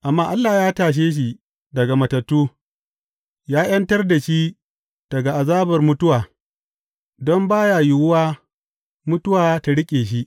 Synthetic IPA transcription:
ʔa˨mːaː˦ʔa˦lːaː˨jaː˦taː˨ʃ̬eː˦ʃ̬i˨ | dɐ˨ɡa˨mɐ˨tɐ˨tːuː˦ | jaː˦j̰ɐ˦ntɐ˦rda˨ʃi˦ | d̥ɐ˨ɡa˨ʔa˨zaː˦bɐ˨rmʊ˦tʊ˦waː˨ | dɔ˦mbaː˦jaː˨ji˦˨wʊ˦waː˦ | mʊ˦tʊ˦waː˨ta˨ɽɪ˦kʲʼeː˨ʃ̬i˦ʔ

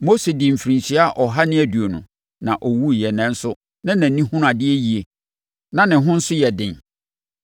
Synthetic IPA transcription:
mo˦se˨dɪ̃˨m̩˨fi˨ɾĩ˨ɕi˦a˦ʔɔ˨ɦa˦nɪ̃˦æ˨du˨o˨nʊ̰̃˨ | nã˨ʔɔ˨wu˦jɛ˨nɛ̃˦n̩˦sʊ˦ | nã˦nã˨nĩ˦hʊ̃˦nʊ̃˦a˨dɪ˦e˦ji˨e˨ | nã˨nɪ̃˨ɦʊ̃˦n̩˦sʊ˦jɛ˨dɪ̃˨n

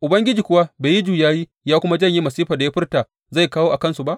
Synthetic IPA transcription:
ʔʊ˨bɐ˦ŋɡʲɪ˦d͡ʒiː˨kʷʊ˦wa˦beː˨ji˦d͡ʒuː˨jaː˦jiː˦ | jaː˦kʷʊ˦ma˦d͡ʒɐ˦˨ɲji˦mɐ˨siː˦ɸaː˨da˨jaː˦ɸɪ˦rtaː˨ | za˦˨jkaː˦woː˦ʔa˨kɐ˦nsu˨ba˦ʔ

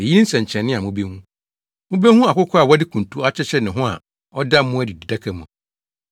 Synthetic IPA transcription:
e˨ji˦n̩˦sɛ̃˨ɲ˨t͡ɕʰɛ̃˨nːɪ̃˦a˨mũ˦be˦hũ˦ | mũ˦be˦hũ˦a˨kʊ˦kʰʊ˦a˨wɔ˦dɪ˦kʰũ˨n˨tʰu˦a˦t͡ɕʰɛ˦t͡ɕʰɛ˦nɪ̃˨ɦʊ̃˦a̰˨ | ɔ˦da˦m˦mũ˦æ˦di˨di˨da˦kʰɛ˦mũ˨

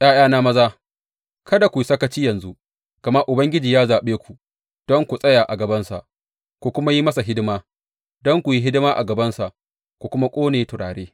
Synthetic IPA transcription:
j̰aː˦j̰aː˦naː˦mɐ˦zaː˦ | kɐ˦da˨kʷu˨i˨sɐ˦kɐ˦t͡ʃiː˦jɐ˨nzu˦ | ɡ̥ɐ˨mɐ˦ʔʊ˨bɐ˦ŋɡʲɪ˦d͡ʒiː˨jaː˦zaː˨ɓeː˦kʷu˨ | d̥ɔ˦ŋkʷu˨sʼɐ˦jaː˨ʔa˨ɡɐ˨bɐ˦nsa̰˨ʔ | kʷu˨kʷʊ˦ma˦ji˦mɐ˦sa˨ɦɪ˦dɪ˦maː˦ | dɔ˦ŋkʷu˨ji˦ɦɪ˦dɪ˦maː˦ʔa̰˨ɡɐ˨bɐ˦nsa˨ʔ | kʷu˨kʷʊ˦ma˦kʷʼoː˦neː˨tʊ˨ɽa̰ː˨ɽeː˦

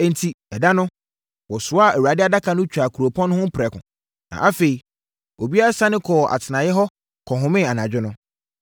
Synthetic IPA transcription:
ɛ̃˨n˨tʰi˨ɛ˨da˦nʊ̃˦ | wɔ˨sʊ˦a˦˨ɛ˨wu˨ɾa˨dɪ˦a˦da˦kʰa˨nʊ̃˦t͡ɕᶣa˨kʰu˨ɾo˨pʰɔ̃˦ñ˦hʊ̃˦pʰɪɾɛ˨kʰʊ̰̃˨ | nã̰˨ʔa˦fe˨i˨ | o˨bi˦a˦a˦sa˦nɪ̃˦kʰɔ˨ʔa̰˨tʰɪ˨nã˨jɛ˦ɦɔ˦ | kʰɔ˨ɦʊ̃˦mɪ̃˦˨a˨nã˨d͡ʑᶣɪ˦nʊ̃˦

